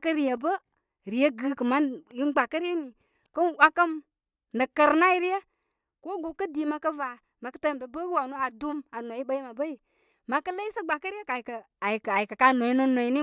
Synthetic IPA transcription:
kə˦ɾi˨jə˨bə˦ | ɾi˨jə˦ɡɨ˨kə˨ma˦ji˦nɡ͡ba˨kə˦ɾi˦je˦ni˨ | kə˦nwa˦kə˦m | nə˨kə˨ɾna˦ji˦ɾi˦je˦ | ko˦ɡu˨kə˦di˨ma˨kə˦va˨ | ma˨kə˦tə˦m˨be˨bə˦kwa˨nu˦a˨du˦ma˨no˨i˦ɓə˦ji˦ma˨bə˦ji˨ | ma˨kə˦lə˦i˦sə˦ɡ͡ba˨kə˦ɾi˦e˦ka˨i˨kə˨ | a˨ji˨ka˨ji˨kə˨ka˦no˨i˦nə˦no˨i˦ni˦

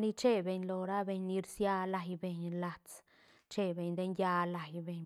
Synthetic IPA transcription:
ni˧t͡ʃe˦be˨˧ɲlo˨ɾa˦be˧ɲni˧ɾsja˧la˨jbe˨ɲla˨t͡s | t͡ʃe˦be˨ɲd̪e˦nja˧la˨jbe˨ɲ

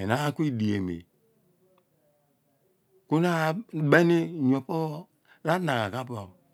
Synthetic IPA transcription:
e˨na˦ku˦i˦di˨e˨mḛ˨ | ku˦na˦be˦ni˦ɲ˨o˨po˦ | ɾa˦na˨ɣa˨ka˦po˨

